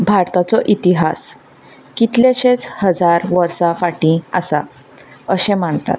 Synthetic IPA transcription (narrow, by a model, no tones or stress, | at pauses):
bʱaɾt̪at͡sɔʔit̪iɦas | kit̪ljeɕet͡shəd͡zaɾʋəɾsafaʈĩa̰sa | əɕẽm̤aɳt̪a̰t̪̚